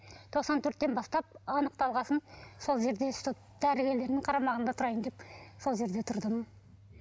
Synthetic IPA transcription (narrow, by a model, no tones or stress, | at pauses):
t̪ʰo̞qsɑnt̪ʰɵɾt̪ːebɑst̪ɑp̚ɑnəq̚t̪ɑlˠʁɑsənso̞lˠʒe̞ɾd̪est̪ut̪d̪̥æɾɪɡʲe̞ɾle̞ɾɪnɪŋqʰɑɾɑmɑʁənd̪ɑt̪ʰʊɾɑjəmd̪e̞pso̞lˠʒe̞ɾd̪e̞t̪ʰʊɾd̪əm